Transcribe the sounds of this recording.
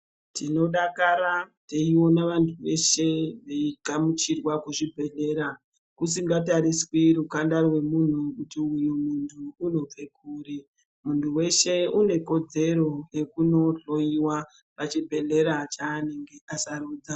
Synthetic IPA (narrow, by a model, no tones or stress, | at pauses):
tino̞ɗakaɾateiwo̞naʋantʰuʋe̞ʃe̞ʋeiɡʱamut͡ʃirwakuʐibʱe̞ɮe̞ːɾa | kusiŋɡataɾiswiɾukandarwe̞mun̤ukutiujumuntʰuuno̞b͡ve̞k̚ʰuːɾi | muntʰuwe̞ʃe̞une̞ko̞d͡ze̞ɾo̞je̞kuno̞ɬo̞iwa | pat͡ʃibʱe̞ɮe̞ɾat͡ʃaːne̞ŋɡe̞ʔasaɾuːd͡za